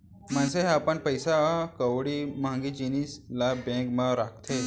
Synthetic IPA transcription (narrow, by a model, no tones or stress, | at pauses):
m̤ənseɦapəɳpəjsakəʋɽimãŋɡid͡ʒinislabẽkmaɾak̚ʰt̪ʰe